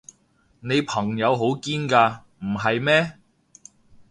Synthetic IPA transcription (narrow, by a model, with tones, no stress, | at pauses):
ne˨˧jpʰɐ˨˩ŋjɐ˨˧wɦo˨˥wkiː˥nkaː˧ | m̩˨˩ɦɐ˨jmɛː˥